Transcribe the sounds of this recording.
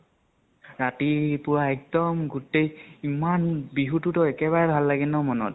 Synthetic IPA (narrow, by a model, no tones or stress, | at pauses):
ɹatipʊɹaɛk̚dɔmɡutejimanbiɦututɔɛkɛbaɹɛbʱalːaɡɛnɔmɔnɔ̰t̚